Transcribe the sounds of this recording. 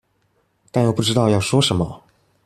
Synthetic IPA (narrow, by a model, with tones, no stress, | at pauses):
t̪a˥˧njo˨˩pu˥˩ʈ͡ʂɻ̩˥t̪ɑ˥˧ʊjɑ˥˩ʊʂwɔ˥ʂə˧˥nmə˧